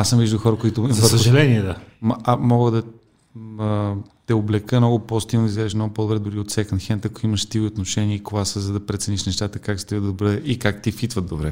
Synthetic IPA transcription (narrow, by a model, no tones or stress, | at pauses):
asəmviʒd̪əxɔɾəkʊit̪ʊzsəʒɐlɛniɛd̪amamɔɡəd̪ɐ | ət̪ɛoblɛkəmnɔɡʊpozt̪ilˠnoizvɛɾɛʃmnɔɡʊpɔd̪obɾɛd̪ʊɾiot̪sɛkənxɛnt̪ɐkʊiməʃst̪iliot̪noʃɛniəiklˠasəzɐd̪ɐpɾɛt̪sɛniʃnɛʃt̪at̪əkakst̪ivəd̪d̪obɾɛʔikakt̪ifit̪vəd̪obɾɛ